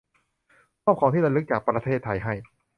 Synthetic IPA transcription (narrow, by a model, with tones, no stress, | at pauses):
kʰɔː˥˩p̚kʰa˧˦wt̪ʰiː˥˩ɾa˧lɯ˦˥k̚t͡ɕaː˨˩k̚pɾa˧t̪ʰeː˥˩t̪ʰːa˧jɦa˥˩j